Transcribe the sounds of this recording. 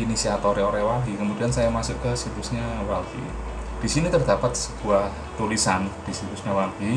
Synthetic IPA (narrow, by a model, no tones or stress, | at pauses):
inisiat̪oɾeoɾɛwalɦikəmudiansajamasʊʔkəsit̪usɲawalɦḭ | d̪̥isinit̪ərd̪̥apat̪̚sə̥ɡ̥uah | t̪ulisand̪̥isit̪usɲawaɦi